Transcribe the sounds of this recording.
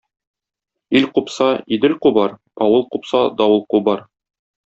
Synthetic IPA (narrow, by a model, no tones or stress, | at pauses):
ilqupsɑid̪ɘlqubɑɾ | ɒwɤlˠqupsɑd̪ɒwɤlˠqubɑɾ